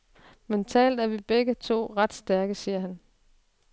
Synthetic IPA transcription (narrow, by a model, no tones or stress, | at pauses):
ment͡sʰɛ̰ːld̥æɐʋib̥eɡ̥ət͡sʰo̝̰ːʁɑ̈d̥sd̥æɐɡ̥əsiːɐɦæn